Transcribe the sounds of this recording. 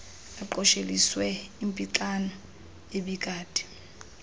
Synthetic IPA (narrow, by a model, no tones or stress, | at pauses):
aǃɔʃeliswɛimpʼiǁanɔ | eɓikʼaːdʼi̥